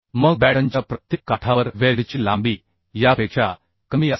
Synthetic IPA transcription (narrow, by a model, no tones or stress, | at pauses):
məɡ̚bɛɽəɲt͡ɕapɾət̪jekːaʈʰaʋəɾʋeɽt͡ɕilã̰mbiː | japeːkʂa | kəmiːə